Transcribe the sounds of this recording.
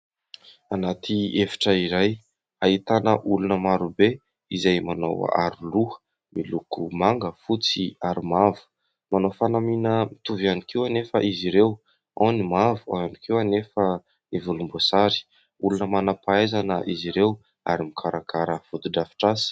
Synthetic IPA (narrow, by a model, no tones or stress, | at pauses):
anat̪ʰiefi̥ʈ͡ʂəiɾaj | ait̪anəʔulunəmaɾube | izajmanow̰a̰ɾuluə̥ | milukumaŋɡəfut͡siaɾimavu̥ | manowfanaminəmit̪uvianikiwanefəʔiziɾew | onimavua̰anikiwanefə | ivulumbosaɾi̥ | ulunəmanapaezanəʔiziɾew | a̰ɾimikʰaɾakʰaɾəfut̪uɖ͡ʐafi̥ʈ͡ʂasi̥